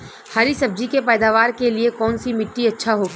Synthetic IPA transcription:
haɾisɐb̚d͡ʒikepɛːd̪aːʋaːɾkeliekɔːnsimɪʈːiɐtːʃʰaɦoːɡi

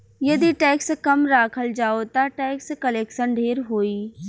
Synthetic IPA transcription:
jɐd̪iʈɛːkskɐmɾaːkʰəld͡ʒaːot̪aʈɛːkskɐleːkʃənɖʱeːɾɦoːiː

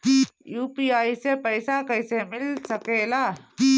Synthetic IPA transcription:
juːpiːaːisepəjsakɐjsemɪlsɐkeːlaː

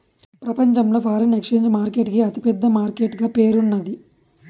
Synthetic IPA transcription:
pɾɐpɐɲt͡ʃɐmlo̞ːpʰaːɾɐnekʂeːɲd͡ʒmaːɾke̞ːʈkiɐt̪ipɛd̪ːɐmaːɾkeːʈɡaːpe̞ːɾunːɐd̪i

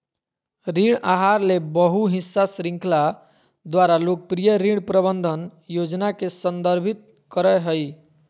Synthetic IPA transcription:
ɾiɽaɦaɾlebəɦuɦisːasɾĩŋkla | d̪waɾalok̚pɾijəɾiɽpɾəbənd̪ʱənjod͡ʒnakesənd̪əɾbʱit̪̚ | kəɾəɦəj

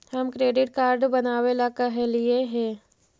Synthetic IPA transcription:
hɐmkɾeːɖɪʈ̚kaːɾɖbɐnaːwelakaɦɛ̃lieɦɛ̃ː

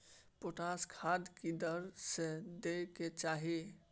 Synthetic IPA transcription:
poʈaskʰad̪kid̪əɾsed̪eket͡ʃaːɦi

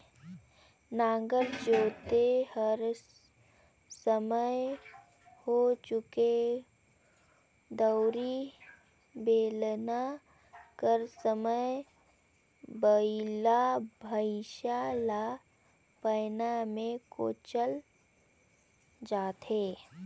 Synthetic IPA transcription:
naːɡəɾd͡ʒoːt̪ehəɾ | səməj | hot͡ʃʊke | d̪əʊɾi | beːlna | kəɾsəmə | bəilabʱəɪʃaːla | pəjnamẽko̰ːt͡ʃəl | d͡ʒaːt̪eː

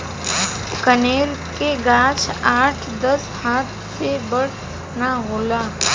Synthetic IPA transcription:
kəneɾkeɡãt͡ʃʰaʈʰd̪əshat̪ | sebəɽ | naɦola

